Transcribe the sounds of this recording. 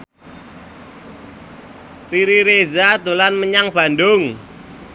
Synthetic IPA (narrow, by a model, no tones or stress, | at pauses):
riɾiɾezad̪ulanməɲaŋb̥a̤ndʊŋ